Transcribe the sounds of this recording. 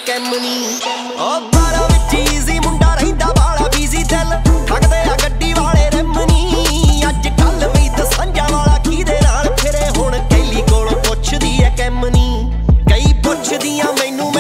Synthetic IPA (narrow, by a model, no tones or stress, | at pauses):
kɛmniː | oːbaːɾaːʋɪt͡ʃiːziːmʊ̃ɳɖaːɾɦĩːd̪aːbaːlaːbiːziːt̪ɛlpʰəkd̪eːaɡəɖːiːʋaːleːɾɛmniː | əd͡ʒkəlʋĩːd̪əsə̃nd͡ʒãːʋaːlaːkʰiːd̪eːnaːlpʰɪɾeːɦʊɳ̃keɦliːkoːlːpʊt͡ʃʰd̪iːɛːkɛmniː | kəiːpʊt͡ʃʰd̪ijãːmɛ̃ːnũːmː